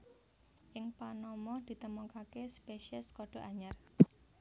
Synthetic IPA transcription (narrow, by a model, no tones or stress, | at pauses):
ʔɪŋpanɔmɔd̪̥i̤t̪əmɔkakespeʃiəskɔɖ̥o̤ʔaɲar